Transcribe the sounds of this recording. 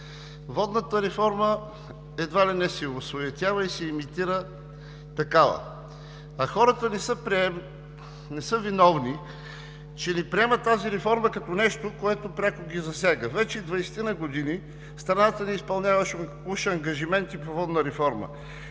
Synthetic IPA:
vɔd̪nət̪əɾɛfɔɾmə | ɛd̪valɛnɛsɛosvoɛt̪ʲavəisɛimit̪iɾə | t̪ɐkavə̰ | ɐxɔɾət̪ənɛsəɾɛ | nɛsɤvinɔvni | t͡ʃɛnipɾiɛmətt̪ːaziɾɛfɔɾməkɐt̪onɛʃt̪okoɛt̪opɾʲakoɡʲizɐsʲjaɡəvɛt͡ʃɛd̪vɐjsɛ̥t̪inəɡod̪ini | st̪ɾɐnat̪əniispɐlˠnʲjavəʃkʃɛɐŋɡɐʒimɛnt̪ipovɔd̪nəɾɛfɔɾmə̰

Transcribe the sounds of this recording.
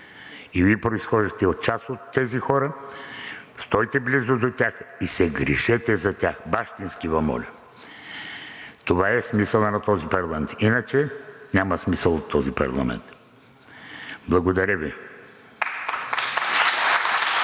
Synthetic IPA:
ivipɾoisxɔʒɛxt̪ɛot̪̚t͡ʃasot̪ːɛzixɔɾə | st̪ɔjt̪ɛblizod̪ot̪ʲaxisɛɡɾiʃɛt̪ɛzɐt̪ʲaxbaʃt̪inskivɐmɔ̰lʲɐ | t̪ovaɛsmisəlˠnɐt̪ɔzipɐɾlˠɐmɛnt̪inət͡ʃɛnʲamɐsmisəlˠot̪ːɔzipɐ̰ɾlˠɐ̰mɛ̰nt̪ | blˠɐɡod̪ɐɾəvi

